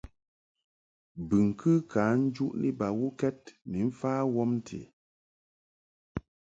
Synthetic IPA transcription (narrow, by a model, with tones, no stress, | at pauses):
bɨ˨ŋ˨kʰɨ˦ka˨˦n̩˦d͡ʒu˦ʔnʔḭ˦ba˨wu˦kɛ˦t̚ni˨m̩˦faː˦wɔ˦mn̩˦tʰḛ˨